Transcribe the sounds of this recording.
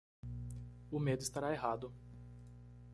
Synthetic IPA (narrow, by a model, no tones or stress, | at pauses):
ʊmed̪ʊist̪aɾaeɦad̪ʊ